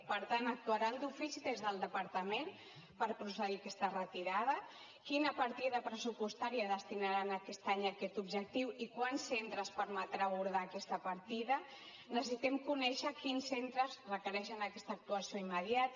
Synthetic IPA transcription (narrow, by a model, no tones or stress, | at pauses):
pəɾt̪anək̚t̪uaɾand̪ufisiðezðəlˠd̪əpəɾt̪əmen | pəɾpɾusəɣiakɛst̪ərət̪iɾaðə | kinəpaɾt̪iðəpɾəsupust̪aɾiəðəst̪inaɾanakɛst̪aɲakɛt̪ubʒək̚t̪iwikwansːent̪ɾəspəɾmət̪ɾaβuɾðaːkɛst̪əpaɾt̪iðə | nəsəsit̪ɛmkunɛʃəkinsːent̪ɾəzrəkəɾɛʃənakɛst̪ək̚t̪uɐsioiməðjat̪